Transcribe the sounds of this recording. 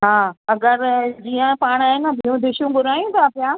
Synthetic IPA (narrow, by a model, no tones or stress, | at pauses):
ɦaːɐɠəɾd͡ʑiːə̃paːɽ̃aːɦɪnbʱiːũd̪ɪʃũɡʊɾaːj̃ũt̪ʰapɪjaː